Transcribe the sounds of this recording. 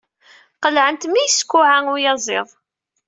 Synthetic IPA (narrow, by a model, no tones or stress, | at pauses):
qəlʕənt̪mijskʷːʊʕaʊjɑzˤeðˤ